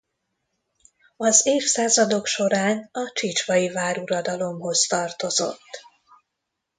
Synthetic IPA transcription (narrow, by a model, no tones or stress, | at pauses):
ɒzeːfsaːzɒd̪o̞kʃo̞ɾaːnɒt͡ʃit͡ʃʋɒjivaːɾuɾɒd̪ɒlo̞mɦo̞zt̪ɒrt̪o̞zo̞̰t̪ː